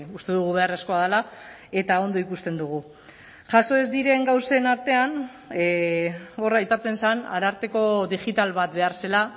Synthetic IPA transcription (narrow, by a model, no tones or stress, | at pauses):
ust̪e̞ðuɣ̞uβ̞e̞are̞sko̞að̞ela | e̞t̪ao̞nd̪o̞ikust̪e̞nd̪uɣ̞u | ʝaso̞ezd̪iɾe̞ŋɡawse̞naɾt̪e̞an | o̞rajpat͡se̞nsana̰ɾaɾt̪e̞ko̞ðiʝit̪alβat̪be̞aɾse̞la